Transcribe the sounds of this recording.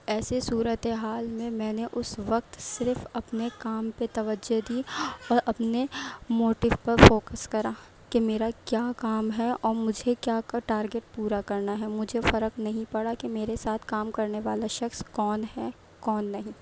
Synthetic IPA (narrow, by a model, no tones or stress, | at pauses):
ɛːsesuːɾət̪eɦaːlmẽmɛ̃ːneʔʊsʋɐk̚t̪sɪɾfɐpnekaːmpet̪ɐʋəd͡ʒod̪iːɔːɾɐpnemoːʈɪʋpɐɾfoːkəskɐɾaː | kemeːɾakjaːkaːmɦɛɔːɾmʊd͡ʒʱekjaːkaʈaːɾɡeʈ̚puːɾakɐɾnaɦɛmʊd͡ʒʱefɐɾəknɐɦĩpɐɽakemeːɾesaːt̪ʰkaːmkɐɾneʋaːlaʃɐxskɔːnɦɛ | kɔːnːɐɦĩː